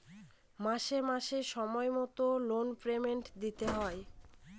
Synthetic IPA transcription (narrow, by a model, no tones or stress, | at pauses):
maʃeɾmaʃeʃɔmɔemɔt̪olonpɾemeɳʈd̪it̪eɦɔe